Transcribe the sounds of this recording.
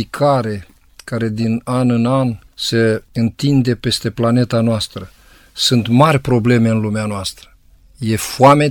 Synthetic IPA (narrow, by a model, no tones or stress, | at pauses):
ikʰaɾe̞ | kaɾe̞d̪inanɨnanse̞ɨnt̪ind̪e̞pe̞st̪e̞plane̞t̪anoast̪ɾə | sunt̪marʲpɾo̞ble̞me̞ɨnlumeanoast̪ɾə̥ | je̞fuame